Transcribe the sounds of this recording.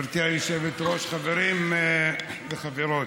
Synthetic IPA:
ɾk̪iajoʃevet̪ʁoʃχaveɾim | beχaveɾot

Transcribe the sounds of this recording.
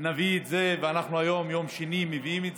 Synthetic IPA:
naviːt̪zeveanaχnuajo̞mjo̞mʃenimeviimetz

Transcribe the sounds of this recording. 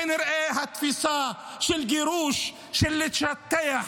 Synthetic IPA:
nɪɾʔeːɦat̪fisɑː | ʃɪlɡɪɾuːʃ | ʃɪlːɪt̪ʃat̪ːaja

